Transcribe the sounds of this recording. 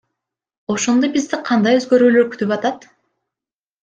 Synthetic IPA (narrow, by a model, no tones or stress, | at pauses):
o̞ʃo̞nd̪ojbizd̪iqʰɑnd̪ɑjøzɡø̞ɾyːlø̞ɾky̥t̪ypɑt̪ɑt̪